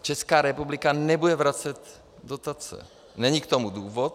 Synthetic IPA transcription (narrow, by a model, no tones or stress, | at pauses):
t͡ʃɛskaːɾɛpublɪkanɛbudɛvɾat͡sɛt̪ | dot̪at͡sɛ̰ | nɛɲikt̪omuduːvot̪̚